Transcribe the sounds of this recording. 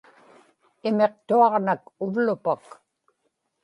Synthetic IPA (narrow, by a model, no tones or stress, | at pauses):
ɪme̞q̚t̪uɑʁnakʊvlʊpak